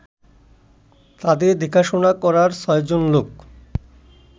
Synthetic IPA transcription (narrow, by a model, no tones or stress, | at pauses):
t̪ad̪ed̪ʱikʰaʃonakɔɾaɾsɔjd͡ʑonlok